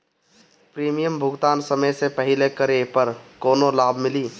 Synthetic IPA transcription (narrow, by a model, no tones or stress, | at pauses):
pɾimijəmbʱuɡt̪ansəməjsepəɦilekəɾepəɾkonolabʱmili